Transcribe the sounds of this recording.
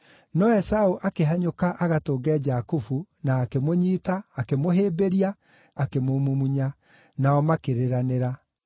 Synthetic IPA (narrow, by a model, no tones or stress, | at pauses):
nɔɛsaoʔakeɦaɲokaʔaɣatoːɡɛd͡ʑakufunaːkemoɲiːtaːkemoɦeːbeɾiaː | kemomumuɲa | naɔmakeɾeɾaneɾa